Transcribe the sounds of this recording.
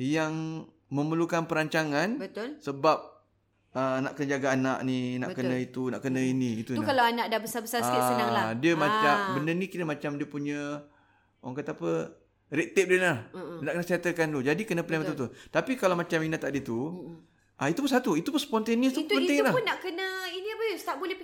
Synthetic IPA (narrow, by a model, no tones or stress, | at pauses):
jaŋ | məməlukanpəɾaɲt͡ʃaŋanbət̪lsəbap̚ | ənaʔkənəd͡ʒaɡaːnaʔnina̰ʔkənə̃it̪unaʔkənə̃inĩit̪ukalaanaʔdahbəsabəsaaadiəmãt͡ʃambəndənikit̪əmat͡ʃamdiəpuɲə | waŋkat̪aapə | ɾiʔ̚t̪ɪp̚diəlahnaʔkənəsiat̪əkant̪ud͡ʒadikənəpənamət̪ut̪ut̪apikalawmat͡ʃaminat̪aʔdiət̪u | ʔait̪upunsat̪uit̪upunsə̥pɔnt̪aniəst̪upənelahpʊnːaʔkənəinibəsə̥t̪ap̚bolɛ